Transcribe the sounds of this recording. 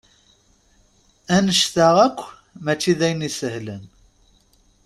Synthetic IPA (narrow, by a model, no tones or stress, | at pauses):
ænəʃθaʁækʷː | mæt͡ʃːiðæjnisəhlən